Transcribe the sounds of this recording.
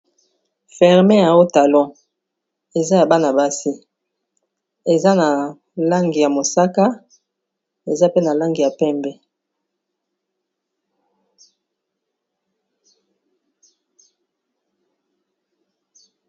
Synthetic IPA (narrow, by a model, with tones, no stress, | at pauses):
fɛ˨ʁme˦ja˨o˦ta˨lɔ̃˦ | e˨za˦ja˨ba˦na˨ba˦si˦ | e˨za˦na˨ | la˦ŋɡi˨ja˨mo˨sa˦ka˦ | e˨za˦pe˦na˨la˦ŋɡi˨ja˨pɛ˦mbɛ˨